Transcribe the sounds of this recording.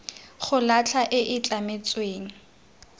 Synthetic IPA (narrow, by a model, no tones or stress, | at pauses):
χʊlat͡ɬʰaʔɪʔɪt͡ɬʼamɪt͡sʼweːŋ̩